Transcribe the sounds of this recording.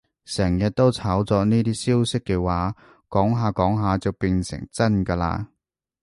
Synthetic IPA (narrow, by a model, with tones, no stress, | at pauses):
sɛː˨˩ŋjɐ˨t̚t̪o˥wt͡sʰaː˨˥wt͡sɔː˧niː˥t̪iː˥siː˥wsɪ˥kːɛ˧waː˨˥ | kɔː˨˥ŋɦaː˨kɔː˨˥ŋɦaː˨˧t͡sɐ˨wpi˨˧nsɪ̰˨˩ŋt͡sɐ˥nkɐ˧la̰ː˧